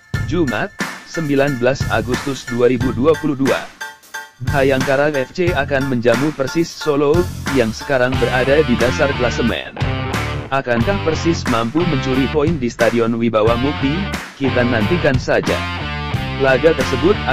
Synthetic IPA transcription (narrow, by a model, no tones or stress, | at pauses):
d͡ʒumʔat̪̚səmbilanbəlasa̰ɡust̪ʊsduaɾibuduapuluhdua̰ | hajaŋkaɾaŋɛft͡ʃeakanməɲd͡ʒamupərsɪsːolojaŋsə̥kaɾaŋbəɾadadidasarkəlasəmɛ̰n | ʔakankahpərsɪsmampuməɲt͡ʃuɾipɔindist̪adiɔnwibawamupikit̪anant̪ikansad͡ʒa̰ | əlaɡat̪ərsəbʊt̪̚a